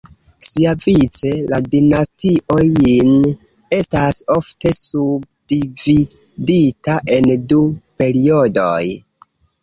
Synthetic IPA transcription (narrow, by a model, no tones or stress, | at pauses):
siavit͡se̞ladinastiʔo̞jin | e̞staso̞fte̞sub̚divi | ditaʔe̞ndupe̞ɾio̞do̞̰j